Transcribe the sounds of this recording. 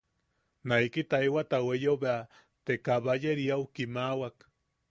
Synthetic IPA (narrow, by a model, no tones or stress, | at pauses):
najkit̪aiwat̪awejobea | t̪ekaβajeɾiawkimawak